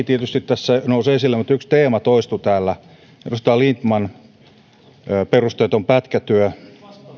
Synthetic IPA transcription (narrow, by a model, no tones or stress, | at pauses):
t̪iet̪yst̪it̪t̪æsːænousesilːemut̪ykst̪eːmæt̪oist̪ut̪æːlːæ | t̪ust̪ɑːlint̪mɑn | perust̪eːt̪ompæt̪kæt̪yø